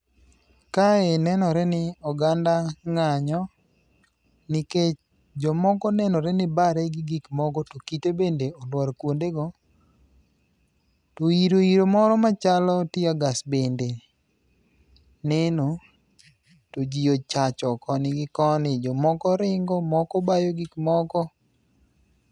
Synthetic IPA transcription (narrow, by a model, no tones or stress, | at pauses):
kaenɛnɔɾɛnɪɔɡandaŋaɲɔ | nɪket͡ʃ | d͡ʒɔmɔkɔnɛnɔɾɛnɪbaɾɛɡɪɡikmɔɡɔtokitebendeɔlwɔɾkwondeɡɔ | toiɾoiɾomɔɾɔmat͡ʃalɔtɪaɡasbende | nɛno | tod͡ʒiot͡ʃat͡ʃɔkɔnɪɡɪkɔnɪd͡ʒɔmɔkɔɾɪŋɡɔmɔkɔbajoɡikmɔkɔ